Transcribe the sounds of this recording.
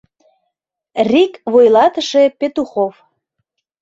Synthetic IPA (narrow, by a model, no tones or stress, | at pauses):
rikβojlɑt̪əʃepet̪uxof